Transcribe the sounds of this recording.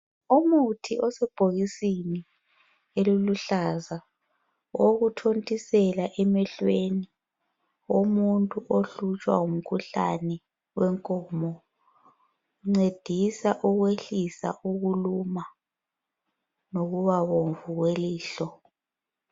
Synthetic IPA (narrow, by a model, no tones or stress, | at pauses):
umutʰiʔɔsɛb̥ʱoɣisini | eluluɬaza | woɣutʰontʼisɛlaʔɛmɛɬweni | omuntʼuʔoɬut͡ʃʼwa̰um̩kʰuɬa̰nɛ | wɛŋkʼɔːmɔ | ŋ͡ǀed̥ʱisaʔuɣweɬisa̰ʔuɣuluma | noɣuβaβoɱvuɣweliːɬɔ